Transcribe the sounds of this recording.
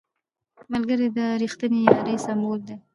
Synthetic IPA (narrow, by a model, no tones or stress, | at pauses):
malɡəɾed̪əɾixt̪ənejɑɾesambold̪e